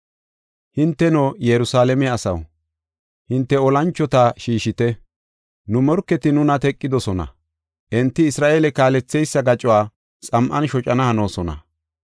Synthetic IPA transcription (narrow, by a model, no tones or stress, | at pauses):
hɪnt̪ːɛnojɛɾʊsaːlɛmɛɐsɐ̰w | hɪnt̪ːɛɔlɐnt͡ʃːɔt̪aʃiːʃɪt̪ɛ | nʊmɔɾkːɛt̪ɪnʊnɐt̪ɛkʼːɪd̪ɔsɔnɐ̰ | ʔɛnt̪ːɪɪsɾaːʔeːlɛkaːlɛt͡sːɛjsːɐɡɐt͡ʃʼʊwaː | t͡sʼɐmʔɐnʃɔt͡ʃʼɐnɐhɐnoːsɔnɐ̰